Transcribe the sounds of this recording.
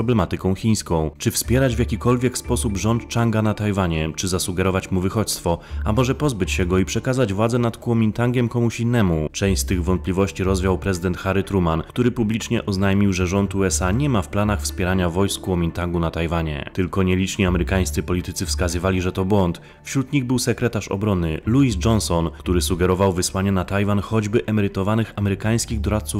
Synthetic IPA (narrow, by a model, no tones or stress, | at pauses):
ɾɔblɛmat̪ɘkɔ̃w̃xʲij̃skɔ̃w̃t͡ʂɘfspʲjɛɾad͡ʑvjakʲikɔlvʲjɛkspɔsubʐɔnt̪t͡ʂaŋɡanat̪ajvaɲɛt͡ʂɘzasuɡɛɾɔvat͡ɕmuvɘxɔt̪st̪fɔamɔʐɛpɔzbɘt͡ɕɕɛɡɔipʂɛkazad͡ʑvwad̪zɛnat̪kuɔmʲint̪aŋɡʲjɛmkɔmuɕinːɛmut͡ʂɛ̃w̃ɕst̪ɘɣvɔnt̪̚plʲivɔɕt͡ɕiɾɔzvʲjawpɾɛzɘd̪ɛnt̪xaɾɘt̪ɾumankt̪uɾɘpublʲit͡ʂɲɛʔɔznajmʲiwʐɛʐɔnt̪uɛsaɲɛmafplanaxfspʲjɛɾaɲavɔjskuɔmʲint̪aŋɡunat̪ajvaɲɛ̰t̪ɘlkɔɲɛlʲit͡ʂɲiamɛɾɘkaj̃st̪sɘpɔlʲit̪ɘt̪sɘfskazɘvalʲiʐɛt̪ɔbwɔnt̪ | fɕɾut̪ɲiɣbɘwsɛkɾɛt̪aʂɔ̰bɾɔnɘluisd͡ʐɔnsɔnkt̪uɾɘsuɡɛɾɔvawvɘswaɲɛnat̪ajvanxɔd͡ʑbɘʔɛmɛɾɘt̪ɔvanɘxamɛɾɘkaj̃skʲiɣd̪ɔɾat̪̚su